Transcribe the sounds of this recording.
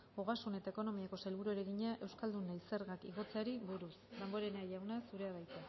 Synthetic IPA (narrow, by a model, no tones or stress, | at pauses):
oɣasune̞t̪aeko̞no̞miako̞selβuɾueɾeɣiɲaʔe̞wskald̪unaiseɾɣakḭɣo̞t͡seaɾiβuɾusd̪amboɾeneaʎawnasuɾe̞aβajt̪e